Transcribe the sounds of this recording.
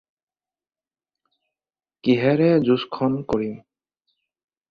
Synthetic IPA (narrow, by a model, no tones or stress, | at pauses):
kiɦɛɹɛzuskʰɔnkoɹim